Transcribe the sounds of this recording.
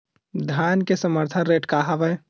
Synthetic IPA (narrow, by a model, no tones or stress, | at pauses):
d̪ʱjaːnkesəməɾt̪ʰənɾeːʈkaɦaʋəj